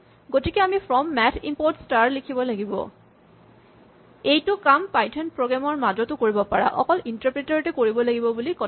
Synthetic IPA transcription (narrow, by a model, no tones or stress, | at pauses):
ɡotikɛamipʰɹɔmːɛtʰḭmpoɹtstaɹlikʰibɔlaɡibɔ̰ | ejtʊkampajtʰɔnpɹoɡamɔɹmadɔtʊkoɹibɔpaɹa̰ʔɔ̰kɔlintaɹpɹetɔɹtɛkoɹibɔlaɡibɔbulikɔ